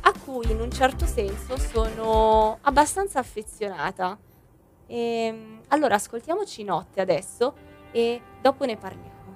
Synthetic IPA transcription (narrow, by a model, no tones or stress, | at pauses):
akːujinunt͡ʃɛrt̪osɛnsosoːnoabːast̪ant̪saːfːet̪sːjona̰ːt̪a | ɛmalːoːɾaːskolt̪jaːmot͡ʃinɔt̪ːead̪ɛsːoed̪ɔːponeparljaːmo